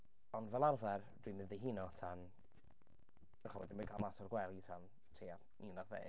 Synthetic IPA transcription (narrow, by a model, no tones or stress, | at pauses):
ɔndvɛlˠarvɛr | d̥iɨmɪððeɦinɔtʰan | əχɔwɛ̰dɪnmikʰalˠmasɔrɡwɛlˠitʰan | tʰeːa | iːnarðḛː